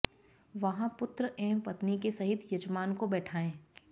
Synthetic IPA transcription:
ʋɐɦãpʊt̪ɾəʔɛːmpɐt̪nikesɐɦɪt̪jɐd͡ʒmaːnkobɛːʈʰaːẽː

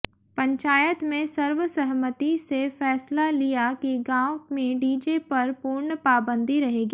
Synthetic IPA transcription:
pɐ̃ɲt͡ʃaːjət̪mẽsɐɾʋəsɐɦmət̪isefɛːslalijakiɡãːwmẽɖiːd͡ʒepɐɾpuɾɳpaːbə̃nd̪ʱiɾɐɦeːɡiː

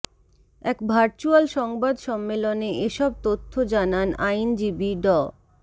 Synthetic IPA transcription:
ɛkbʱaɾt͡ɕualʃɔŋbad̪ʃɔmːeloneeʃɔb̚t̪ot̪ʰːod͡ʑananʔajnd͡ʑibiɖɔ

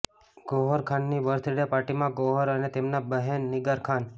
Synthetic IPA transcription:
ɡ̥oɦəɾkʰanːiʋəɾt̪ʰɾiɽjapaʈimãɡoɦəɾənet̪emnabəɦenːɪɡəɾkʰan

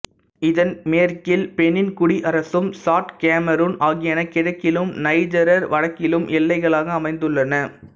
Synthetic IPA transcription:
ɪðɐnmeːɾkɪlpɛnːɪnkʊɽiʔɐɾɐsɯmsaːʈkaːmɐɾoːnaːɣɪjɐnɐkɪɽɐkːɪlɯmnɐɪd͡ʒɐɾɐɾʋɐɻɐkːɪlɯmʔɛlːɐɪɣɐɭaːɣɐːmɐɪnd̪ɯɭːɐnɐ

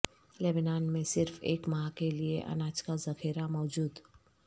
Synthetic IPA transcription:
leːbɪnaːnmẽsɪɾfḛːkmɐɦakelieʔɐ̰naːt͡ʃkazɐxiːɾamɔːd͡ʒuːd̪

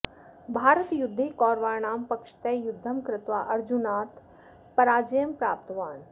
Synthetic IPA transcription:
bʱaːɾət̪jʊd̪ʱːikɔːɾʋaːɾɳ̃aːmpɐkʃə̥t̪ɐjjʊd̪ʱːəmkɾɪt̪ʋaːʔɐɾd͡ʒunaːt̪ | pɐɾaːd͡ʒəjəmpɾaːp̚t̪ʋaːn

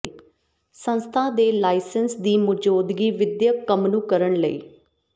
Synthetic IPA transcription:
sə̃nst̪ʰãːd̪eːlaːɪsənsd̪iːmʊd͡ʒoːd̪ɡiːʋɪd̪jəkːəmnũːkəɾəɳləḭː

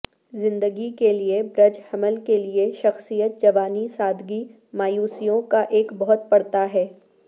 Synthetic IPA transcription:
zɪ̃nd̪əɡikeliebɾɐd͡ʒhɐməlkelieʃɐxsijət̪̚d͡ʒɐʋaːnisaːd̪ʱɡi | maːjuːsijõkaʔeːkbɐɦʊt̪̚pɐɽ̤t̪aɦɛː

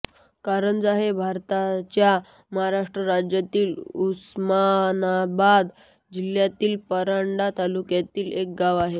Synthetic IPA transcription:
kaɾəɳd͡zaɦebʱaɾt̪at͡ɕja | məɦaɾaʂʈɾəɾad͡ʑjat̪iːlusmanabad̪ | d͡ʑiljat̪iːlpəɾaɳɖat̪alukjat̪iːlek̚ɡaʋaɦe

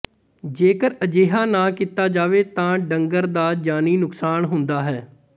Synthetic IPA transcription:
d͡ʒeːkəɾəd͡ʒeːɦaːnãːkɪt̪aːd͡ʒaːʋeːt̪ãːɖəŋɡəɾd̪aːd͡ʒaːniːnʊksaːnɦʊnd̪aːɦɛː

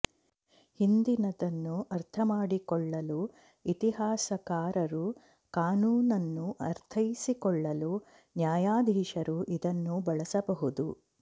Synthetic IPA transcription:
hind̪inɐd̪ɐnːuɐɾt̪ʰɐmaːɽikɔɭːɐlu | it̪iɦaːsɐkaːɾɐɾu | kaːnuːnɐnːuʔɐɾt̪ʰɐjisikɔɭːɐlu | njaːjaːd̪ʱiːʃɐɾuʔid̪ɐnːubɐɭɐsɐbɐɦud̪u

